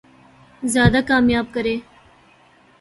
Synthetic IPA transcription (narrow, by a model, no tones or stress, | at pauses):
zjɑːd̪akɑːmjɑːb̚kɐɾeː